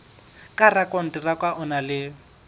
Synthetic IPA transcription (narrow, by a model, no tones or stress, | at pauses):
kʼarakʼɔn̩tʼirakʼwaʔʊnalɪ